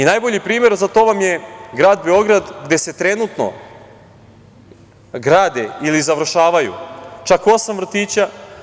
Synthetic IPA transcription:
inaːjboʎipɾiːmeɾzat̪o̞ːʋamje̞ɡɾaːd̪be̞o̞ɡɾad̪ɡd̪e̞se̞t̪ɾe̞nut̪no̞̰ | ɡɾaːd̪eilizaʋr̩ʃaːʋajṵt͡ʃako̞samvr̩t̪iːt͡ɕa

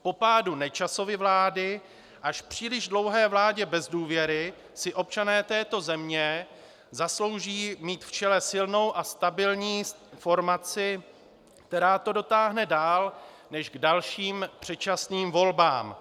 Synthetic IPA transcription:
po̞paːdunɛt͡ʃaso̞vɪvlaːdɪ | ʔaʃpr̝̥iːlɪʒdlo̞wɦɛːvlaːɟɛbɛzduːvjɛɾɪ | sɪʔo̞p̚t͡ʃanɛːt̪ɛːt̪o̞zɛmɲɛ | zaslo̞wʒiːmiːt̪ft͡ʃɛlɛsɪlno̞wʔast̪abɪlɲiː | fo̞ɾmat͡sɪ | kt̪ɛɾaːt̪o̞do̞t̪aːɦnɛdaːl | nɛʒɡdalʃiːmpr̝̥ɛt͡ʃasniːmvo̞lbaːm

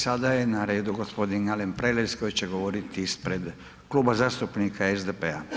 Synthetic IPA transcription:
sad̪ajenaɾe̞ːd̪uɡo̞spo̞d̪inɡalempɾelesko̞jt͡ɕeɡo̞ʋo̞ɾit̪iispɾe̞d̪ | kluːbazaːst̪upnikʰaezd̪epea̰

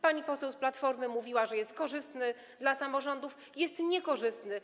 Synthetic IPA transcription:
paɲipɔsɛwsplat̪fɔɾmɘmuvʲiwaʐɛjɛst̪̚kɔʐɘst̪nɘ | d̪lasamɔʐɔnd̪uf | jɛst̪ɲɛkɔʐɘst̪nɘ

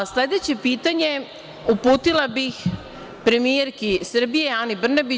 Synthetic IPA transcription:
sled̪e̞t͡ɕe̞piːt̪aɲe̞ | upuːt̪ilabix | pɾe̞mijeɾkisr̩bijeaːnibr̩nabi

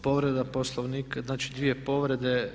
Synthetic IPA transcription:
po̞ʋɾed̪aposlˠoʋniːkznaːt͡ʃid̪ʋije̞po̞ʋɾe̞d̪e

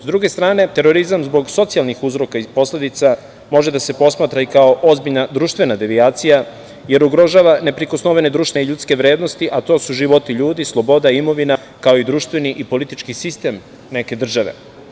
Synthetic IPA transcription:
zd̪ɾuɡe̞st̪ɾaːne̞t̪e̞ɾo̞ɾizamzbo̞ɡso̞t̪sijalˠnixuzɾo̞kaipo̞sle̞d̪it̪sa | mo̞ʒed̪ase̞po̞smaːt̪ɾaikao̞ʔozbiʎnad̪ɾuːʃt̪ʋe̞nad̪eʋiaːt̪sija | je̞ɾuɡɾo̞ʒaːʋane̞pɾiko̞snoʋened̪ɾuːʃt̪eeʎut̪ske̞ʋɾe̞ːd̪no̞st̪iʔat̪o̞ːsuʒiʋo̞t̪iʎuːd̪islˠo̞bo̞d̪aimo̞ʋina | kao̞id̪ɾuːʃt̪ʋe̞niʔipo̞lit̪it͡ʃkisist̪e̞ːm | ne̞ke̞d̪r̩ʒaʋe̞̰

